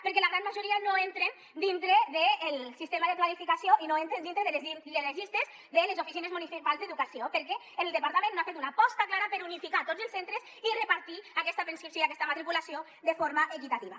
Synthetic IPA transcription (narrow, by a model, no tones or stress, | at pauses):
peɾk̬ɛlaɣɾanmaʒuɾianoent̪ɾen | d̪int̪ɾeðeːlsist̪emaðeklalifikasjoʔinoent̪ɾend̪int̪ɾeðeleziileleʒist̪ez | ðelezofisinezmunisipalˠzd̪eðukasiopeɾkɛ | enelˠd̪epaɾt̪amẽnːoafet̪unapɔst̪aklaɾapeɾunifikat̪od͡zelsent̪ɾez | irepaɾt̪iakɛst̪apɾenskɾipsjoiakɛst̪amat̪ɾikulasjo | d̪efoɾmaʔekit̪at̪iβa